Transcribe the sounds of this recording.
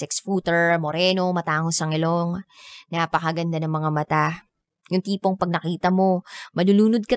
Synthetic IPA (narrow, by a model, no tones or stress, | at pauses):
ɛksfuːt̪ɛɹmoɾɛːno̞mɐt̪aːŋosɐŋɪloŋnaːpɐkɐɡɐnd̪anɐŋmɐŋamɐt̪a | jʊŋt̪iːpo̞ŋpɐɡ̚nɐkiːt̪ɐmo̞mɐluːluːnod̪̚kɐ